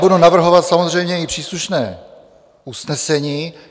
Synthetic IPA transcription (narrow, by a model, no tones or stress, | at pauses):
budunavr̩ɦo̞vat̪samozr̝ɛjmɲɛɪpr̝̥iːsluʃnɛ̰ː | usnɛsɛɲiː